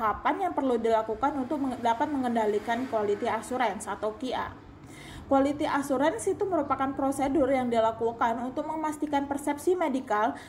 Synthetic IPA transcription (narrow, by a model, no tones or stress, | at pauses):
apanjaŋpərludilakukanunt̪ʊk̚dapat̪̚məŋəndalikankualit̪iasuɾɛnsat̪awkia̰ | kualit̪iʔasuɾɛnsit̪uməɾupakanpɾosedʊrjaŋdilakukanunt̪ʊk̚məmast̪ikanpərsɛp̚simedikal